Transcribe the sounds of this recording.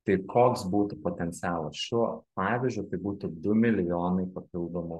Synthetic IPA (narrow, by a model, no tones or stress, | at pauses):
t̪ɐɪkʰoːksbuːt̪ʊpoːt̪ʲɛnʲt̪sʲɪæːlˠɐsʃʲupɑːʋʲɪzʲd͡ʒʲʊɪt̪ɐɪbuːt̪ʊd̪ʊmʲɪlʲɪjoːnɐɪpɐpʲɪlˠd̪oːmo